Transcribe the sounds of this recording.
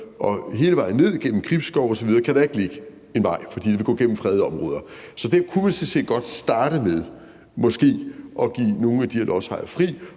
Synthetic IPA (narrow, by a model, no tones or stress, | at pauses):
ʔɒ̽ɦe̝ːləʋɑ̈ɪn̩ːe̝ð̞̰ˠiɡ̥en̰m̩kʰʁib̥sɡ̥ɒʊɒ̽sɒʋiðˠɐːkʰæɾ̥ɑe̝ɡ̥le̝ɡ̥ə | e̝nʋɑ̈ɪ̰fɒd̥ḭd̥e̝ʋe̝ɡ̥ɔ̰ːɡ̥en̰m̩fʁɛːð̞ˠəɒ̽mʁɔ̽ːð̞ˠɐsɒ̽d̥æɐkʰumænsemsḛːd̥̚ɡ̥ɒ̽d̥sd̥ɑ̈ːɾ̥əmeð̞ˠ | mɔ̽sɡ̥e̝̰ːʔɒ̽ɡ̥ḭːno̝ːn̩æd̥iɐlʔɒshɑ̈ɪðˠɐfʁḭː